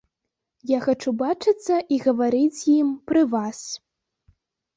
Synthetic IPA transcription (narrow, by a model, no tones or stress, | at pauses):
jaxat͡ʂubat͡ʂɨt̪sːɐʔiɣɐvaɾɨt͡sʲjimpɾɨvas